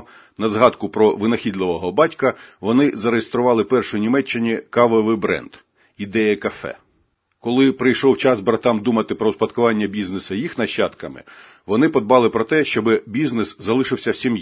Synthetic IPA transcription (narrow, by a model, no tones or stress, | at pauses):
nɐzɦɑd̪kʊpɾɔʋɪnɐxʲid̪lˠɪʋɔɦɔbɑtʲkɐʋɔnɪzɐɾejest̪ɾʊʋɑlˠɪpɛrʃʊjinʲimɛt͡ʃːɪnʲikɑʋɔʋɪbɾɛ̰nd̪̥ | id̪ɛjɐkɐfɛ̰ | kɔlˠɪpɾɪjʃɔwt͡ʃɑzbɾɐt̪ɑmd̪umɐt̪ɪpɾɔspɐt̪kʊʋɑnʲːɐbʲiznesɐjixnɐʃːɑt̪kɐmɪ̰ | ʋɔnɪpɔd̪̚bɑlˠɪpɾɔt̪ɛʃt͡ʃɔbɪbʲiznɪszɐlˠɪʃɪwsʲɐwsʲimj